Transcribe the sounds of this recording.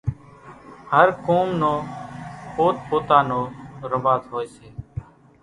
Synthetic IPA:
həɾkoːmnõːpoːt̪̚poːt̪aːnoːɾəmbaːzɦoːeːseː

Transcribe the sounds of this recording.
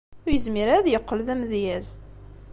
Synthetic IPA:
ʊɾjəzmiɾæðjəqːəlðæmðjæz

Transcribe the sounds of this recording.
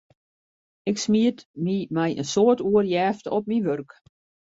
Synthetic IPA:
ɪksmiətmimɛjʔə̰nsoətuərjɛːftɔp̚miʋørk

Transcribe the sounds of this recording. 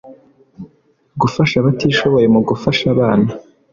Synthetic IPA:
ɡufaʃaβatiːʃo̞βo̞je̞muɡufaʃaβaːna

